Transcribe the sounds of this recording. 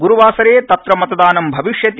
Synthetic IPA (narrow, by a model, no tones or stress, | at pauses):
ɡuɾuʋaːsɐɾeːt̪ɐt̪ɾɐmɐt̪ɐd̪aːnɐmbʱɐʋiʃjɐt̪